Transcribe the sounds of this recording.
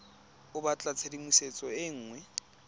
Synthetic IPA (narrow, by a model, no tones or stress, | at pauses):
ʊbat͡ɬʼat͡sʰedimuset͡sʼɔɪŋ̩ːŋwɛ